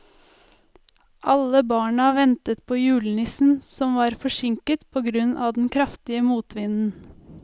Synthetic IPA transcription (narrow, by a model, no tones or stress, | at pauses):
ʔɑləbɑːɳəʋɛnt̪ət̪̚pʰoːjʉːlənɪsn̩sɔmʋɑːɾfɔʂɪŋkət̪pʰoːɡɾʉnʔɑ̰ːd̪ɛn̩kʰɾɑft̪ɪəmuːt̪ʋɪnn̩